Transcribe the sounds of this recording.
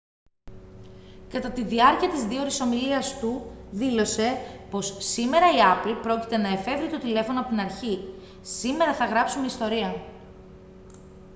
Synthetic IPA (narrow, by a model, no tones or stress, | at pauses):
kɐt̪ɐt̪iðiɐɾciɐt̪izðio̞ɾiso̞miliɐst̪uðilo̞se̞po̞ssime̞ɾɐiɐplpɾo̞cit̪e̞nɐe̞fe̞vɾit̪o̞t̪ile̞fo̞noɐpot̪inɐɾçi | sime̞ɾɐθɐɣɾɐpsumeist̪o̞ɾiɐ